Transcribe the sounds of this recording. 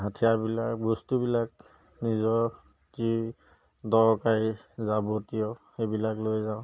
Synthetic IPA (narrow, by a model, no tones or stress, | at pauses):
ɦatʰijabilakbɔstubilak̚ | nizɔ | zi | dɔɹkai | zabotijɔxebilaklojzaʊ̃